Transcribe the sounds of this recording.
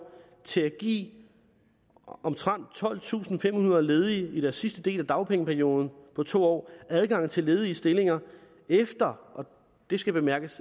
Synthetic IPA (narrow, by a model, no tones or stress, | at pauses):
t͡sʰe̝æɡ̥ḭː | ɒ̽mt͡sʰʁɑn̰d̥̚t͡sʰɒ̽l̰t͡sʰṵːsn̩fem̰hunɐle̝ːð̞ˠiiɾ̥æɐsːisd̥əd̥e̝̰ːlæd̥ɑ̈ʊpʰeŋəpʰæɐjo̝ːð̞ˠn̩pʰɒ̽t͡sʰo̝̰ːɒ̰ːæð̞ˠɡ̥ɑ̈ŋ̰n̩t͡sʰe̝le̝ːðˠiːsd̥e̝le̝ŋɐ | efd̥ɐʔɒ̽ | d̥e̝sɡ̥æb̥e̝mæɐɡ̥əs